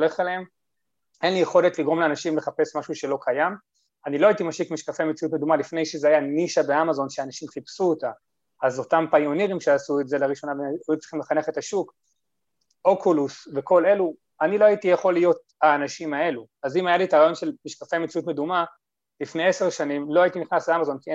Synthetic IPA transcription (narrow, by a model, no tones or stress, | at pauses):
ole̞χeleem | e̞nlijeχo̞letliɡʁo̞mleanaʃimle̞χape̞smaʃuʃe̞lo̞kʰajam | anilo̞aitimaʃikmiʃkafejmet͡sijutmedumalifne̞jʃezeajaniʃabe̞amazo̞nʃeanaʃimχipsuota | azo̞tampajoniʁimʃeasueze̞laʁiʃo̞nabeut͡si̥χimle̞χane̞χe̞taʃuk | o̞kʰulusve̞ko̞le̞lu | anilo̞aitijeχo̞lːijo̞t̚aːnaʃimae̞luazimajalitaʁaːjo̞nʃe̞lmiʃkafe̞jmet͡sijutme̞duma | lifne̞jese̞ʁʃanimlo̞ajitiniχnasleamazo̞nki